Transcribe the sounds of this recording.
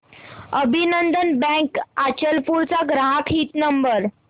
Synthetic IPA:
əbʱinənd̪ənbɛ̃kat͡ɕəlpuɾt͡saɡɾaɦakʰɦit̪nəmbəɾ

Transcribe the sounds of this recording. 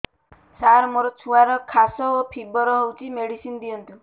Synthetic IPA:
saɾmoɾɔt͡ʃʰuaɾɔkʰasɔopʰibɔɾɔɦowt͡ʃʰimeɽisind̪ijɔnt̪u

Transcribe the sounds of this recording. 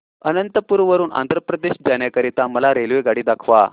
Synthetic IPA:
ənənt̪əpuːɾʋəɾuːna̰nd̪ʱɾəpɾəd̪eɕd͡zaɳjakəɾit̪aməlaɾelʋeɡaɽiːd̪akʰʋa

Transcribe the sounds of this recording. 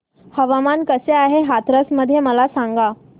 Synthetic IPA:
həʋamankəseaɦeɦat̪ɾəsməd̪ʱːjeməlasaŋɡa

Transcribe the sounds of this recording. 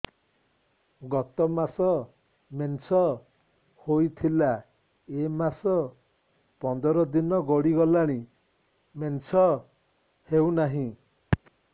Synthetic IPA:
ɡɔt̪ɔmasɔ | mensɔ | hojt̪ʰila | emasɔ | pɔnd̪ɔɾɔd̪inɔɡɔɽiɡɔlaɽ̃i | mensɔ | hewnaɦĩ

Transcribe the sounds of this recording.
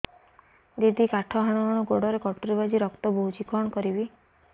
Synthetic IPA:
d͡ʒid̪ikaʈʰɔɦaɽ̃ɔmaɽ̃ɔɡoɽɔɾekɔʈɾibad͡ʒiɾɔkt̪ɔboɦut͡ʃikɔɽɔkɔɾibi

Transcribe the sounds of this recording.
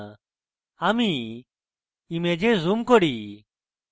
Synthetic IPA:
ami | imed͡ʒezumkɔɽi

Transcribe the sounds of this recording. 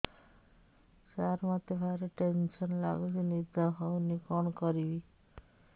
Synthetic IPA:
saɾmat̪ebʱaɾeʈensɔnla̰ɡd͡ʒinid̪aɦɔwnikɔnkɔɾibi

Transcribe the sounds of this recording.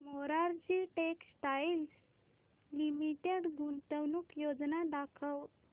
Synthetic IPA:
moɾaɾd͡ʑiʈeksʈails | limiʈeɽɡunt̪əwnukjod͡znad̪akʰəw

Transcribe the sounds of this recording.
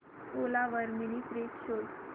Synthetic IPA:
olaʋəɾminipɾekɕol

